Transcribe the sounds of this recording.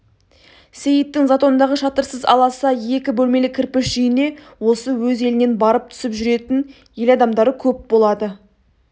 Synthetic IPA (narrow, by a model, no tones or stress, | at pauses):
sejɪt̪ːɪŋzat̪o̞nnd̪ɑʁəʃɑt̪əɾsəzɑ̰lˠɑsɑje̞kʲɪbɵlme̞lɪkʲʰɪɾpɪʃʒjɪne̞ | wo̞səwɵze̞lɪne̞nbɑɾəp̚t̪ʰʏ̥sɪpʒʏɾe̞t̪ɪn | je̞lɑd̪ɑmd̪ɑɾəkʲʰɵp̚bo̞lˠɑd̪ə